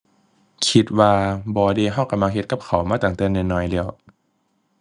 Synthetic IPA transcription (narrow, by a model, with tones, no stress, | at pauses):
kʰi˧˦t̪̚waː˧bɔː˧deː˧ɦɔ˧˥˩ka˧mla˧ŋhe˧t̪̚ka˧˦p̚kʰa˨˩˦wmaː˧˩t̪aː˨˩ŋt̪ɛː˧˩nɯ˧nɔː˧˩jlɛː˧˩ə˨w